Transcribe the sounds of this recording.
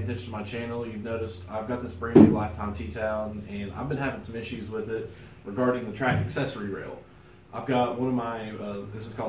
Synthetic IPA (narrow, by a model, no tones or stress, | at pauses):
ɨntʰɛ̃nt͡ʃɨ̃n̩tʰəmaɪt͡ʃʰæ̃nl̩ˠjʉvnoʊɾɨstʰa̰ɪvɡɑt̪̚ðɪsb̥ɹĩmĩlaɪftʰãɪ̃mtʰitʰãʊ̃nɨ̃na̰ɪvbɨ̃nhævɪ̃ŋsʌ̃mɪʃʉzwɪðɪt̚ | ɹɨɡɑɹɾɪ̃ŋðɨtʰɹ̥ækɨksɛsə˞iɹḛɪlˠ | ʔaɪvɡɑt̚wʌ̃nʌvmaɪʌðɪsɨz̥kʰɔ